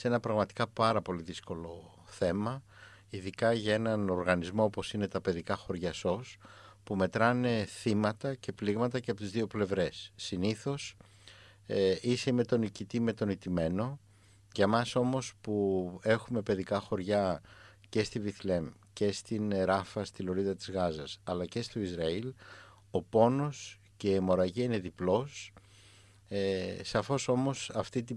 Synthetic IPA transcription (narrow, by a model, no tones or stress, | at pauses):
se̞nɐpɾɐɣmɐt̪i̥kɐpɐɾɐpo̞liðisko̞lo̞ | θe̞mɐ | iðikɐʝɐe̞nɐno̞ɾɣɐnizmo̞opo̞sine̞t̪ɐpe̞ðikɐxo̞ɾʝɐso̞spume̞t̪ɾɐne̞θimɐt̪ɐce̞pliɣmɐt̪ɐceɐpot̪izðio̞ple̞vɾe̞sːiniθo̞s | iseme̞t̪o̞nicit̪ime̞t̪o̞nit̪ime̞no̞ | ʝɐmɐso̞mo̞spue̞xume̞pe̞ðikɐxo̞ɾʝɐ | ce̞st̪iviθle̞m | ce̞st̪inɾɐfɐst̪ilo̞ɾiðɐt̪i̥zɣɐzɐsɐlɐce̞st̪o̞izɾɐil | o̞po̞no̞s | ce̞ːmo̞ɾɐʝiine̞ðiplo̞s | esɐfo̞so̞mo̞sɐft̪it̪̬i